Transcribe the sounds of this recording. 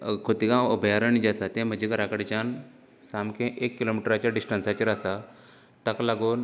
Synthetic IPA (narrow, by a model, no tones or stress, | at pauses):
kʰot̪ikãəbʱjaɾənid͡ʑasat̪ẽm̤əd͡ʑikəɾakəɽt͡ɕan | samkẽʔekːilomiʈəɾat͡ɕjaɖisʈənsat͡ɕiɾasa | t̪aklaɡuːn